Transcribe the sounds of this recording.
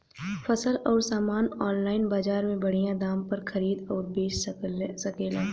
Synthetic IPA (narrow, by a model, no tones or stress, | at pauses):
fʰɐsəlɔːɾsaːmaːnɔːnlaːɪnbaːd͡ʒaːɾmẽbɐɽ̤ijãd̪aːmpɐɾxɐɾiːd̪ɔːɾbeːʃsɐkeːlaː